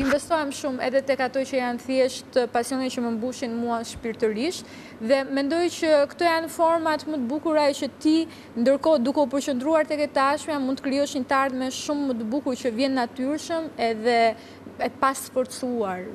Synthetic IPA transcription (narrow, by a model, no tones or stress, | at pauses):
imvɛst̪ɔjɛmʃumɛ̰ðɛt̪ɛkat̪ɔt͡ɕəjanθjɛʃt̪əpasiɔnit͡ɕəməmbuʃinmuaʃpiɾt̪əɾiʃt̪ | ðɛmɛnd̪ɔjt͡ɕəkt̪ɔjanfɔɾmat̪mət̪əbukuɾaɛt͡ʃət̪i | nd̪əɾkɔd̪ukɛupəɾt͡ɕənd̪ɾuaɾt̪ɛkɛt̪əaʃmɛamunt̪əkɾijɔʃɲət̪aɾtmɛʃumːət̪əbukuɾt͡ɕəvjɛnːat̪yɾʃəmɛðɛ | ɛpasfɔɾt̪suaɾ